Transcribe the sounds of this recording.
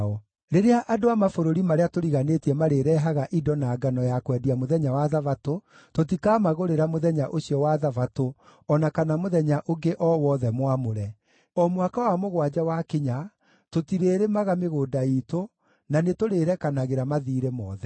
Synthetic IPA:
ɔ | ɾeɾeaʔadoamafoɾoɾimaɾeatoɾiɣanetiɛmaɾeɾɛːɦaɣaʔidɔnaːɡanɔjakwɛdiamoðɛɲawaðavato | tot̬ikaːmaɣoɾeɾamoðɛɲaʔoɕiɔwaðavato | ɔnakanamoðɛɲaʔoɡeʔɔwɔðɛmwamoɾɛ | ɔmwakawamoɣwad͡ʑawakeɲa | totiɾeɾemaɣameɣoːdaito | nanetoɾeɾɛkanaɣeɾamaðiːɾemɔ̰ːðɛ

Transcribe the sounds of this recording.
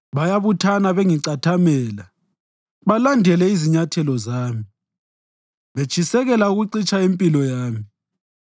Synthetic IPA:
βajaβutʰanaβeŋiǀatʰamɛːla | βalandʱɛlɛiziɲatʰɛlɔzaːmi | βet͡ʃʰʼisɛɣɛlauɣuǀit͡ʃʼʰaempʼilɔjaːmi

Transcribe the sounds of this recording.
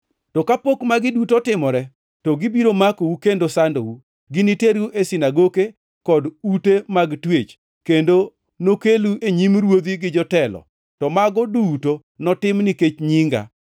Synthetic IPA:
tɔkapokmaɡɪdutɔtɪmɔɾɛ | tɔɡɪbiɾomakowukendosandowu | ɡɪniteɾuʔesinaɡoke | kɔdutemaɡtwet͡ʃ | kendo | nokeluʔeɲimɾwod̪iɡɪd͡ʒɔtɛlɔ̰ | tɔmaɡɔduto | nɔtɪmniket͡ʃɲiŋɡa̰

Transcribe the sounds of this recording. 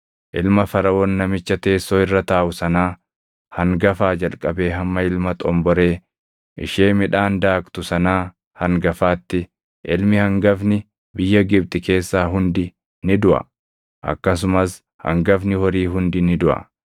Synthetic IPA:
ʔɪlmɐfɐɾɐʔoːnːɐmɪt͡ʃːɐt̪e̞ːsːoːɪrːɐt̪aːʔʊsɐnaː | hɐŋɡɐfaːd͡ʒɐlkʼɐbe̞ːɦɐmːɐɪlmɐt̪ʼɔmbɔɾe̞ː | ʔɪ̰ʃeːmɪᶑaːnd̪aːkt̪ʊsɐnaː | hɐŋɡɐfaːt̪ːɪ | ʔɪlmɪhɐŋɡɐfnɪ | bɪjːɐɡɪb̚t̪ʼɪke̞ːsːaːɦʊnd̪ɪ | nɪd̪ʊʔɐ̰ | ʔɐ̰kːɐs̬ʊmɐs | hɐ̰ŋɡɐfnɪhɔɾiːɦʊnd̪ɪnɪd̪ʊʔɐ̰

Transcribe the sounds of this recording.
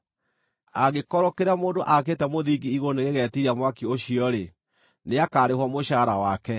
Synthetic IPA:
aɣekɔɾɔkeɾamoːndoʔakeːtɛmoðiɡiːɣoneɣeɣɛːtiɾiamwakioɕiɔɾe | neakaːɾehwamoɕaːɾawakɛ

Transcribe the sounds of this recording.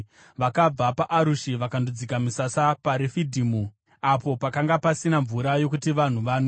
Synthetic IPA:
ʋakab͡vapaʔaɾuʃiʋakandud͡zikamusasapaɾefidʱiːmu | apo̞pakaŋɡapasinaɱvuɾajo̞kutiʋan̤uʋano

